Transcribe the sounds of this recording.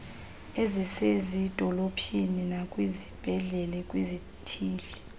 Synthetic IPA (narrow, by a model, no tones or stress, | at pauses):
ezisezid̥ʱɔlopʰininakʼwizib̥ʱɛɮɛlɛkʼwizi | tʰiːli